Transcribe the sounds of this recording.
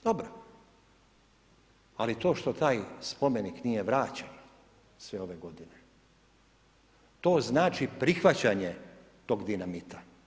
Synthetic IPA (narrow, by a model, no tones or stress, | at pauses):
d̪obɾo | alit̪o̞ːʃt̪o̞t̪aːjspo̞meniknijeʋɾaːt͡ɕen | sʋeo̞ʋeɡo̞d̪ine | t̪o̞ːznaːt͡ʃipɾixʋat͡ɕaɲe | t̪o̞ːɡd̪inamit̪a